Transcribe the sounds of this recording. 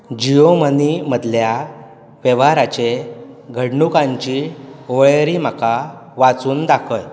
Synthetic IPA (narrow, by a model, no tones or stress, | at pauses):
d͡ʑijoməniməd̪lja | ʋeʋaɾat͡ɕeɡʱəɽɳukãɲt͡ɕioɭɾim̤akaʋat͡suːnd̪akʰəj